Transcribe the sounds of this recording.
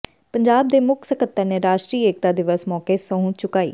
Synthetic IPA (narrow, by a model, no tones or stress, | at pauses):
pəɲd͡ʒaːb̚d̪eːmʊkʰsəkət̪ːəneːɾaːʃʈɾiːeːk̚t̪aːd̪ɪʋəsmɔːkeːsəɦũːt͡ʃʊkaːḭː